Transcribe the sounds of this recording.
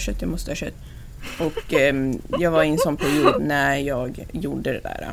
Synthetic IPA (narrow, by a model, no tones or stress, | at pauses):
ʂɛt̪ʰːjamɔst̪əɑʂɛ̰t̪ː | ʔɔk | jɑːɡvaɾɪnsɔnːpʰæɾjuːd̪næɾjɑːɡjuːɖəd̪ɛd̪æ̰ːɾa̰